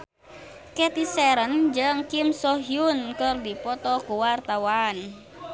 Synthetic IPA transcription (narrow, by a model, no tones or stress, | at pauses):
kɛt̪isɛɾənd͡ʒəŋkimsɔɦjunkərdipɔt̪ɔkuwart̪awan